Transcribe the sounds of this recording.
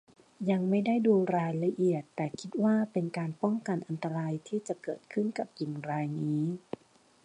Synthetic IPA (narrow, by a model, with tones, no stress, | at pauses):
ja˧ŋma˥˩jda˥˩jduː˧ɾaː˧jla˧ʔi˨˩ət̪ːɛː˨˩kʰi˦˥t̪̚waː˥˩pe˧nkaː˧npɔ˥˩ŋka˧nʔa˧nt̪a˧ɾaː˧jt̪ʰiː˥˩t͡ɕa˨˩kɤː˨˩t̪̚kʰɯ˥˩nka˨˩p̚ki˨˩ŋɾaː˧jniː˦˥